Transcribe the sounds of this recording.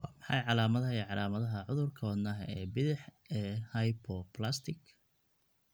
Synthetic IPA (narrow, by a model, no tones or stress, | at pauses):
wɑːmɑħɑ̰jʕɑlaːmɐðɐɛʕɑlaːmɐðɐɦɐʕʊðʊrkʰɐwɐd̪naːɦɐ̰ɛːbɪðɪħ | ɛːhɐjpʰɔplast̪ʰɪk